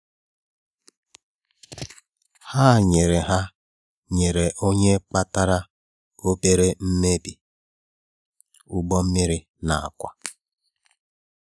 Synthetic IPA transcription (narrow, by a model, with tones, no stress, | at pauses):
ha˦˨ɲe˨ɾe˨ɦa˦ | ɲe˨ɾe˨ʔo˦ɲe˦k͡pa˦ta˦ɾa˦ | o˦be˦ɾe˦m̩˦me˦bi˨ | u˦ɡ͡bɔ˦m̩˦mi˦ɾi˦ | na˨a̰˨kʷa̰˦